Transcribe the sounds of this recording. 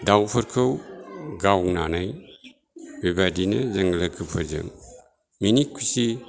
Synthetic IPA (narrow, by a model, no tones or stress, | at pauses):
dawpʰɐɾkʰɯwɡawŋnanaj | bibadinɐzɐŋɡlɐkʰɯpʰɐzɐ̰ŋ | minikʰusi